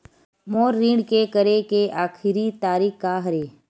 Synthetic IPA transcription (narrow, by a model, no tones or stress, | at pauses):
moːɾːĩːɳɖkekəɾekeʔaːkʰɪɾit̪aːɾiːkkaɦɐɾeː